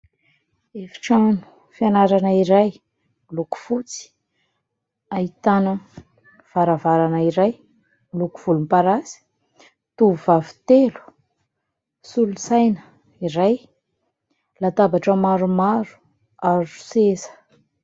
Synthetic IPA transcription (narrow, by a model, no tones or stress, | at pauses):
efi̥ʈ͡ʂanu̥ | fianaɾanəiɾaj | iluku̥fut͡si̥ | ait̪anə | v̥aɾavaɾanəiɾaj | milukuv̥ulumpaɾasi̥ | t̪uvuvavi̥t̪elu̥ | sulusajnə̥ | iɾaj | lat̪abaʈ͡ʂəmaɾumaɾu̥ | azu̥sesə̥